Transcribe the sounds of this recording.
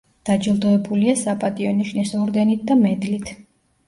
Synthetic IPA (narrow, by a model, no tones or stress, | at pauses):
d̪̥ad͡ʒilˠd̪ɔɛbuliasapʼat̪ʼiɔniʃnɛsɔɾd̪ɛnit̪̚ʰd̪amɛd̪lit̪ʰ